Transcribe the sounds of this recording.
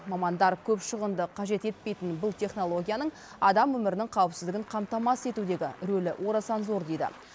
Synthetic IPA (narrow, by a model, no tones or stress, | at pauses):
mɑmɑnd̪ɑɾkʲʰɵpʃəʁənd̪əqʰɑʒe̞t̪e̞t̪̚pe̞jt̪ɪnbʊlˠt̪ʰe̞χno̞lˠo̞ɡʲijanəɴ | ɑd̪ɑmwɵmɪɾɪnɪŋqʰɑwəpsɪzd̪ɪɡʲɪɴqʰɑmt̪ɑmɑse̞t̪ud̪e̞ɡʲɪɾɵlɪʔwʔo̞ɾasɑnzo̞ɾd̪e̞jd̪ɪ̰